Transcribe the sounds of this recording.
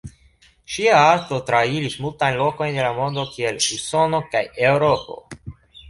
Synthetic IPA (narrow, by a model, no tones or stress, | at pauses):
ʃiaaɾto̞tɾaiɾismultajnlo̞ko̞jndelamo̞nd̪o̞kie̞luso̞no̞kaje̞wɾo̞po̞̰